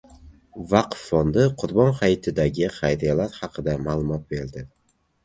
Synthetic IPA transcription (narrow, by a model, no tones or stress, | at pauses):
vɑqfːond̪ɪqʰʊɾbɒnχajɪt̪ʰɪd̪aɡʲɪχajɾijalaɾχɑqʰɨd̪amaːlˠʊmɒt̪̚be̞ɾd̪ɪ